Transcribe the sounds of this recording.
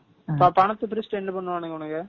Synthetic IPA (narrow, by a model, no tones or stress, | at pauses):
pɐpɐɳɐt̪ːɯpɪɾɪsʈɛnːɐpɐɳːɯʋaːnɯŋɡɐʊɳɐŋɡɐ